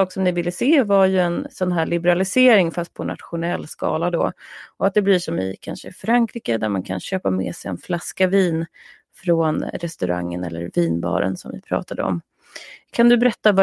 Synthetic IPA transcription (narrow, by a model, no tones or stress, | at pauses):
ɑːksɔmnɪvɪlːəseːvaɾjɵɛnsɔnɦæːɭɪbɛɾalɪseːɾɪŋfast̪̚pʰɔnʔa̰t̪ɧʊnɛlːskɑ̰ːlad̪ɔ̰ɔat̪̚d̪ɛblɪʂɔmɪ̰kʰanʂə̰fɾaŋkʰɾiːkəd̪æɾmankʰa̰nɕøːpamɛ̰ːsɛjɛ̰nflaskaviːn | fɾoːnɾɛst̪ɵɾʔa̰ŋːə̰nɛ̰lːə̰ɾviːnbɑ̰ːɾə̰nsɔmvɪpʰɾɑ̰ːt̪ad̪əɔ̰m | kʰand̪ɵbɛɾɛt̪ːava